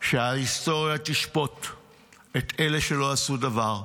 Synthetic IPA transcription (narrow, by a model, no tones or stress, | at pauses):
ʃeaisto̞ʁjat̪iʃpo̞t̪ | et̪ele̞ʃe̞lo̞asudavaʁ